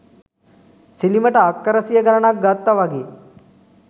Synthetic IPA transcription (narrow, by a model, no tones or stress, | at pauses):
siliməʈəakːəɾəsijəɡɐɾɐnak̚ɡat̪ːaʋaɡi